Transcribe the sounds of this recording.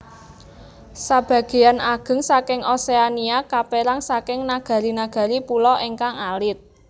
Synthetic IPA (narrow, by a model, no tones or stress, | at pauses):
sab̥ä̤ɡ̥e̤janaɡ̥ə̤ŋsakɪŋʔoseaniakapeɾaŋsakɪŋnaɡ̥a̤ɾinaɡ̥a̤ɾipulɔʔeŋkaŋalɪt̪̚